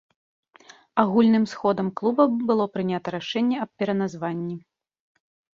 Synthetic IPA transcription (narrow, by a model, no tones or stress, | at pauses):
aɣulʲnɨmsxɔd̪ɐmklˠubɐbɨlˠɔpɾɨnʲat̪ɐɾaʂɛnʲːɛɐp̚ʲpʲɛɾɐnazvanʲːi